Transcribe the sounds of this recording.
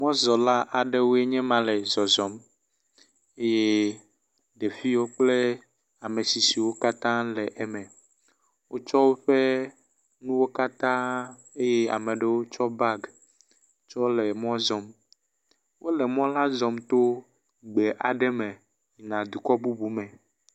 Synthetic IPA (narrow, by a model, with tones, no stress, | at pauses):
mɔ̃˦zɔ˨la˦ʔa˨ɖe˦wo˦e˦ɲɛ̃˦mã˨lɛ˨zɔ˨zɔ˨m | e˦je˦ | ɖe˨fi˦wo˦k͡ple˦ | a˨me˨si˨si˨wo˦ka˦t̪ã˦lɛ˨ʔɛ˦mɛ̃˨ | wʔo˦t͡ʃɔ˦wo˦ɸe˦ | nũ˦wo˦ka˦t̪ã˦ | e˦je˦a̰˨mẽ˨ɖe˦wo˦t͡ʃɔ˦ba˦ɡ | t͡ʃɔ˦lɛ˨mɔ̃˦zɔ˨m | wʔo˦lɛ˨mɔ̃˦la˦zɔ˨mt̪o˦ | ɡ͡be˨ʔa˨ɖɛ˦mẽ˨ | ɲi˨nã˨d̪u˨kɔ˦bu˦bu˦mɛ̃˨